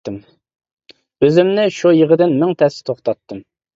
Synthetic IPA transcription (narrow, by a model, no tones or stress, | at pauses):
ɨm | øzɪmnɪʃujəʁəd̪ɪnmɪŋt̪ʰɛsɪ̥t̪ʰoχt̪ɑt̪ʰːɨm